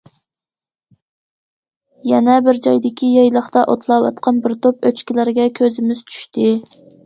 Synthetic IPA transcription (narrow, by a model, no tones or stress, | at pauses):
jɛnɛbɪɾd͡ʒɑjd̪ɪkʲijɑjlˠəχt̪ɑʔot̪ʰlˠɑwɑ̰t̪qʰɑnbɪɾt̪ʰopøt͡ʃkʲilæɾɡʲɛkʲʰøzɪmɪz̥t͡ʃʰy̥ʃt̪ʰɪ